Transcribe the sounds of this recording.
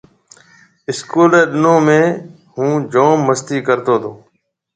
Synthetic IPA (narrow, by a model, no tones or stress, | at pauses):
ɪskuːleːɗɪnõːmẽː | hũːd͡ʒoːmːəst̪iːkəɾt̪oːt̪ʰoː